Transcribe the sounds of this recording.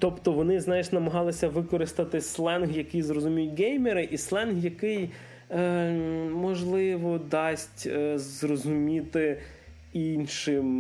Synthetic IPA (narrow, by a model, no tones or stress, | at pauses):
t̪ɔpt̪ɔʋɔnɪznɑjɪʃnɐmɐɦɑlˠɪsʲɐʋɪkɔɾɪst̪ɐt̪ɪslˠɛnɦjɐkɪjzrɔzʊmʲijʊtʲɡɛjmeɾɪʔislˠɛnɦjɐkɪj | mɔʒlˠɪʋɔd̪ɑsʲtʲzrɔzʊmʲit̪ɪ | inʃɪm